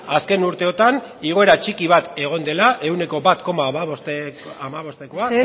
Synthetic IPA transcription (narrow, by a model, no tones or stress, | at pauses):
aske̞nuɾt̪e̞o̞t̪aniɣ̞o̞e̞ɾat͡ʃikiβ̞at̪e̞ɣ̞o̞nd̪e̞laʔe̞wne̞ko̞bat̪ko̞mamaβst̪amaβo̞st̪e̞ko̞a